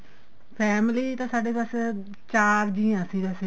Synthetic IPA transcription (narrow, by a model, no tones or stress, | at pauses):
pʰɛːmliːt̪ãːsaːɖeːpas | t͡ʃaːɾd͡ʒiːãːsiːd̪əse